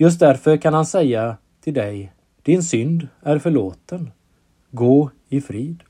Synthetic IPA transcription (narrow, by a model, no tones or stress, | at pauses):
jɵs̬t̪̚d̪æɾfœɾkʰanhansɛjːa | t̪ʰɪld̪ɛj | d̪̥ɪnsʏnd̪æɾfœɭoːt̪ən | ɡoː | ɪfɾiːd̪